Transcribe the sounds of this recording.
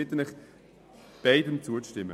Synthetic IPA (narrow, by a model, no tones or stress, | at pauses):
ɪt̪ənɪχ | b̥aɪdəmt͡suəʃtɪmːə